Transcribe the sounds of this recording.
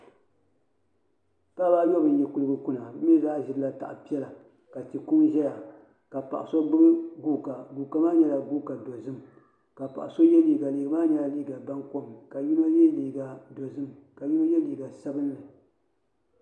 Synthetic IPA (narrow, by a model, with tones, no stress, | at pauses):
ta˦baː˦ɲɔ˦bɨ˨n˨jɛ˨ku˨lɨ˦ɡɨ˦ku˦na˨˦mi˦zaː˦ʒɪ˦dɨ˦la˦ta̰˨ʔpi˦ɛ˦la˨ | ka˨tɨ˨ku˦mʒɛ˦ja˨ | ka˨pa˨ʔa˨so˦bɨ˦ɡɨ˦ɡuː˦˨ka˨ɡuː˨ka˨maː˦ɲɛ˦la˨ɡuː˦ka˨dɔ˨zɨ˦m | ka˨pa̰˨ʔa˨so˦jɛ˦liː˨ɡa˨liː˨˦ɡa˨maː˦ɲɛ˨la˨liː˦ɡa˨ba˦ŋko˦mka˨ju˦no˦jɛ˦liː˨ɡa˨dɔ˨zɨ˦m | ka˨ju˦no˦jɛ˦liː˨ɡa˨sa˦bɨ˦n˦lɨ˨